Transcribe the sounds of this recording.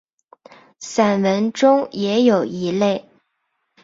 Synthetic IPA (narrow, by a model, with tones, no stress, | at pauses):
sa˨˩nwə˧˥nʈ͡ʂʊ˥ŋjɛ˧˥jo˨˩ʊi˧˥le˥˩ɪ